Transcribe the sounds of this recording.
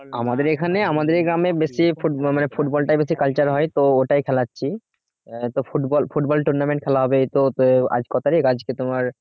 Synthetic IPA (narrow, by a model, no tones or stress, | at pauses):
a̰mad̪eɾekʰaneamad̪eɾɡɾamebesifumanefʰuʈbɔlʈajbes̬ikalt͡ɕaɾɦɔet̪ooʈajkʰɛlatːɕʰi | t̪ofuʈbɔlfʰuʈbɔlʈuɾnamẽɳʈ̚kʰɛlaɦɔbet̪ot̪oa̰d͡ʑkɔt̪ʰaɾekad͡ʑket̪omaɾ